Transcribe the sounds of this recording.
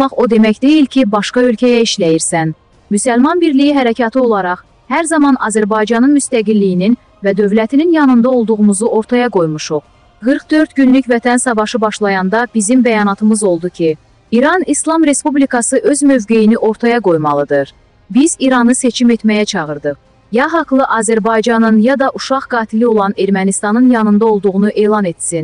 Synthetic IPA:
ɑχo̞d̪e̞mæcd̪e̞jilcʰibɑʃkɑø̞lcʰæjæiʃlæjiɾsæn | mysælmɑnbiɾlijiɦæɾæcʰɑt̪ʰɯo̞lˠɑɾɑχ | hæɾzɑmɑnɑ̰zæɾbɑjd͡ʒɑnɯnmyst̪æɡilːijinin | væd̪ø̞vlæt̪ʰininjɑnɯnd̪ɑo̞lˠd̪uʁumuzuʔo̞ɾt̪ʰɑjɑɡo̞jmuʃuʁ | ɡɯɾqd̪ø̞ɾt̪ɟynlycvæt̪ʰænsɑvɑʃɯbɑʃlˠɑjɑnd̪ɑb̥izimbæjɑnɑt̪ʰɯmɯzo̞lˠd̪ucʰi | iɾɑnislˠɑmɾe̞spublikɑsɯʔø̞zmø̞vɡe̞jiniʔo̞ɾt̪ʰɑjɑɡo̞jmɑlˠɯd̪ɯɾ | biziɾɑnɯse̞t͡ʃʰime̞t̪mæjæt͡ʃʰɑʁɯɾd̪ɯχ | jɑɦɑklˠɯʔɑːzæɾbɑjd͡ʒɑnɯnjɑd̪ɑʔuʃɑʁɡɑːt̪ʰilio̞lˠɑne̞ɾmænist̪ɑnɯnjɑnɯnd̪ɑo̞lˠd̪uʁunuʔe̞ːlˠɑne̞t̪sin

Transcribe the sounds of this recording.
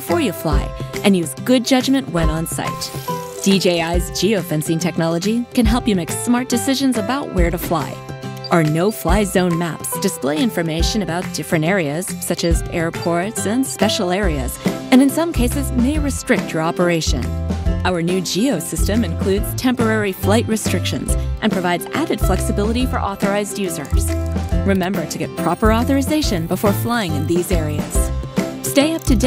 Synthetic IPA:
b̥ɪfɔɹjɨfla̰ɪʔɨ̃njʉzɡʊd̚d͡ʒʌd͡ʒmɨ̃nʔwɛ̃ɾ̃ə̃nsa̰ɪt̚ | d̥id͡ʒeɪaɪzd͡ʒioʊfɛ̃nsĩntʰɛk̚nɑlˠəd͡ʒikɨ̃nɦɛlˠpjɨmeɪksmɑɹt̚d̥ɨsɪʒɨ̃nzəbaʊʔwɛɹɾɨfla̰ɪʔə˞noʊflaɪzõʊ̃nmæpsd̥ɨspleɪɪ̃ɱfə˞meɪʃɨ̃nɨbaʊt̚d̥ɪfɹɨ̃ntɛɹiɨz̥sʌt͡ʃɨzʔɛɹpʰɔɹtsɨ̃nspɛʃl̩ˠɛɹiɨ̰z̥ɨ̃nɨ̃nsʌ̃mkʰeɪsɨzmeɪɹɨstɹ̥ɪk̚t͡ʃʰjə˞ɑpə˞eɪʃɨ̰̃nʔaʊə˞nʉd͡ʒioʊsɪstɨ̃mɨ̃nkʰl̥ʉdz̥tʰɛ̃mpə˞ɛɹiflaɪʔ̚ɹɨstɹ̥ɪkʃɨ̰̃nz̥ʔɨ̃npʰɹ̥ɨvaɪdzʔæ̰ɾɨd̥flɛksɨbɪlˠəɾifə̰˞ʔɔθə˞aɪzdjʉzə̰˞z̥ɹɨmɛ̃mbə˞ɾɨɡɛt̚pʰɹ̥ɑpə˞ɔθə˞ɨzeɪʃɨ̃nbəfɔɹflaɪɪ̃ŋɨ̃nðizɛɹiɨ̰z̥steɪʌp̚tʰɨd

